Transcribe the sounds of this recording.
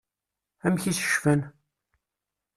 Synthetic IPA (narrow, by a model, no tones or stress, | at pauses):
æmçisə̥ʃfən